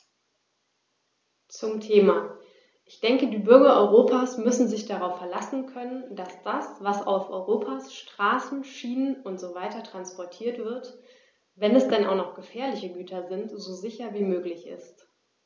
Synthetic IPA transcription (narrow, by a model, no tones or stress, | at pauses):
t͡sʊmtʰeːmaː | ʔɪçd̥ɛŋkədiːbʏɐɡɐʔɔʏʁ̞oːpʰaːsmʏsn̩zɪçd̥aʁaʊfːɛɐlasn̩kʰœnəndasd̥asv̥asa̰ʊfʔɔ̰ʏʁoːpʰaːsʃtʁ̥aːsn̩ʃiːnənʊntz̥oːvaɪtɐtʁ̥anspɔɐtʰiːɐtv̥ɪɐt | vɛnɛsd̥ɛnaʊnɔχɡ̥əfɛːɐlɪçəɡyːtʰɐzɪntz̥oːzɪçɐviːmøːklɪçɪ̰st